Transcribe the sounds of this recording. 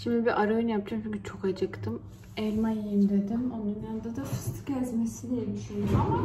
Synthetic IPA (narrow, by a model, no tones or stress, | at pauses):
ʃimd̪ibiʔaɾojynjap̚d͡ʒʰamt͡ʃʰyɲʲcʰyt͡ʃʰo̞kad͡ʒɯkt̪ʰɯm | ɛlʲmajajɯmd̪ed̪imonːimjand̪ad̪afɯst̪ʰɯ̥cʰæzmesid̪ʲijɛbiʃejɾama